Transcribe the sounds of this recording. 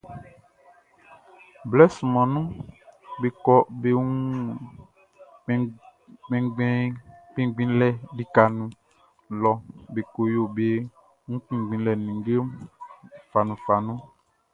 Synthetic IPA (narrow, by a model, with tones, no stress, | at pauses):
blɛ˦sũ˨mɔ̃˨nũ˦be˨kɔ˦be˦ŋũ˦ | ɡ͡bɛ̃˨ɡ͡bɛ̃˦k͡pĩ˦ɡ͡bĩ˦lɛ˦di˦ka˨nũ˨ | lɔ˨be˨ko˨jo˦˨be˦ | ŋũ˦k͡pĩ˨ɡ͡bĩ˨lɛ˨nĩ˨ŋ˦ɡe˦ | fa˨nũ˨fa˨nũ˦